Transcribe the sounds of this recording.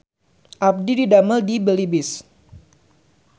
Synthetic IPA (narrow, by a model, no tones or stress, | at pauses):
ʔap̚dididaməldibəlibɪs